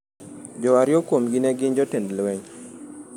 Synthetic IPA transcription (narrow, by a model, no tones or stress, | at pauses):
d͡ʒɔaɾjɔkwomɡinɛɡɪɲd͡ʒɔtendlwɛɲ